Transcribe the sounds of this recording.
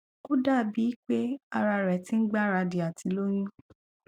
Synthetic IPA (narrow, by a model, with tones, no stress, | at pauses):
ko˦da˦˨bi˨˦k͡pe˦a˧ɾa˧ɾɛ˨tĩ˦n̩˦ɡ͡ba˦ɾa˧di˨a˨ti˨˦lo˦j̃ũ˦